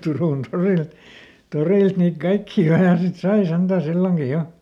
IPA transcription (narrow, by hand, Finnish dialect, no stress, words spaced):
turuˑn toril toriˑlt niːt kɑikːiː ɑinɑ sit sɑi sentæˑ silːoŋki jo